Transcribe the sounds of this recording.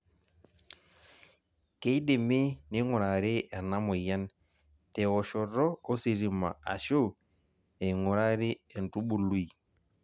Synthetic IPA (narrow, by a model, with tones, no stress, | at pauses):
ke˦i˦ɗe˨mi˦ni˦ŋʊ˨ɾa˨ɾe˦a˨na˦mo˨ja˦n | tɛ˨ɔ˨ʃɔ˨ɾɔː˦si˨ɾi˨ma̰˨a̰˨ʃo˦ | e˨ŋu˨ɾa˦ɾɪ˦ɛ˨n˨tu˦ɓu˨lu˦i˨